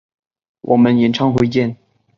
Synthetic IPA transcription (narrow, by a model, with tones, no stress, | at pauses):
wʔɔ˨˩mə˧˦njɛ˨˩nʈ͡ʂʰɑ˥ŋxwe˧˥ɪt͡ɕjɛ˥˩˨n